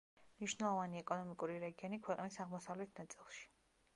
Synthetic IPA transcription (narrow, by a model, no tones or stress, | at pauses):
mniʃwnɛlˠɔvaniɛkʼɔnɔmikʼuɾiɾɛɡiɔnikʰwɛqʼnisaʁmɔsavlɛt̪ʰnat̪sʼilˠʃi̥